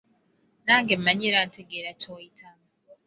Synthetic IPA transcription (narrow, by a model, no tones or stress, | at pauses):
naːŋɡemmaɲeɾantʰeɡeɾatʰoitʰam